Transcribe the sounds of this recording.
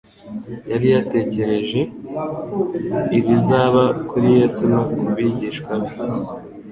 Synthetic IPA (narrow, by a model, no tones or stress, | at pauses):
jaɾijate̞ːce̞ɾe̞ʒe̞ | iβizaːβakuɾije̞ːsunokubiɟiʃkwaβi